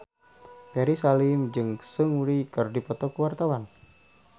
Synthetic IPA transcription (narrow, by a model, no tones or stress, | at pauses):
pɛɾisalɪmd͡ʒɨŋsəŋɾikɨrdipɔt̪ɔkuwart̪awan